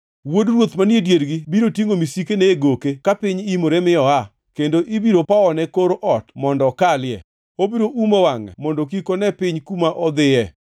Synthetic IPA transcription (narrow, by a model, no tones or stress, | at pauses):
wodrwot̪manjedjeɾɡibiɾotjeŋomisikeneeɡokekapɪɲimoɾɛmɪɔa | kendoʔibiɾopaɔnɛkoɾoʔɔtmɔndɔkaljɛ̰ | obiɾoʔumɔwaŋɛ̰mɔndok̬ikonɛpɪɲkumaʔɔd̪ɪɛ